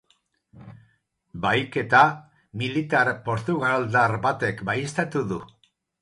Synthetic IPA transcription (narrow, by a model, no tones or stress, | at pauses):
bajke̞t̪a | milit̪aɾpo̞ɾt̪uɣald̪aɾbat̪e̞kbajest̪at̪uðu